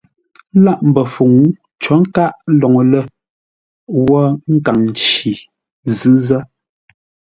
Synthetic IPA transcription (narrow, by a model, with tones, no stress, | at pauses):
la˦˨ʔm̩˨bə˨fu˨ŋu˨˦ | t͡ʃɔ˨˦ŋ̩˦ka˦ʔlɔ˨ŋ˨lə˦˨ | wɔ˦ŋ̩˦ka˨ŋn˨t͡ʃi˨ | zɨ˦zə˦